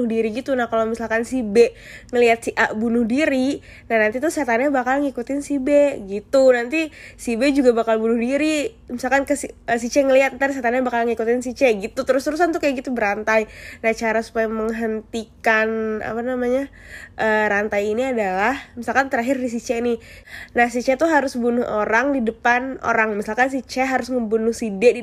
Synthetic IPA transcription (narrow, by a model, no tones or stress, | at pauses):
ʊhdiɾiɡit̪unahkalowmisalkansibɛŋəliat̪̚siʔaʔbunʊhdiɾi | nahnant̪it̪usat̪anabakalŋikut̪ɪnsibeɡit̪unant̪isibɛd͡ʒuɡabakalbunʊhdiɾi | misalkankəsiəsit͡ʃɛŋəliat̪̚t̪adisat̪anaɲabakalŋikut̪ɪnsit͡ʃɛɡit̪ut̪əɾʊst̪əɾus̬ant̪ukajaɡit̪ubəɾant̪ajnat͡ʃaɾasu̥pajaməŋɦənt̪ikana̰panamaɲa | ʔəːɾant̪ajiniadalahmisalkant̪əɾaɦɪrdis̬it͡ʃɛnɪ | nahsit͡ʃɛt̪uɦaɾʊsbunʊɦoɾaŋdidəpano̰ɾaŋmisalkans̬it͡ʃɛɦaɾʊsməmbunʊhsidɛdi